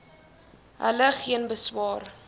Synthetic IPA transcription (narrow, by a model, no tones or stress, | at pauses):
ɦə̰ləχiənbəswɑːr